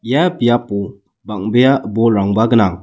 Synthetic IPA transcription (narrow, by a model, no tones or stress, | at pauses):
japijapu | baŋbejabɔlɾaŋbaɡənaŋ